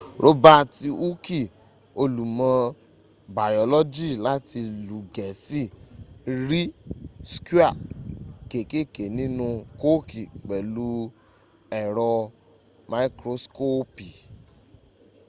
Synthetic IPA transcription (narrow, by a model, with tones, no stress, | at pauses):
ɾo˦ba˦˨ti˧u˦ki˦˨ | o˧lu˨mã˨˦ | ba˨jɔ˨lɔ˦d͡ʒi˦˨la˦ti˧lu˨˦ɡɛ˨si˦˨ | ɾi˦sku˦a˦˨ke˨ke˦ke˨nĩ˦nũ˧ko˦ki˨k͡pɛ˨lu˦ | ɛ˨ɾɔ˧ | ma˧i˦kɾo˧˦sko˦pi˨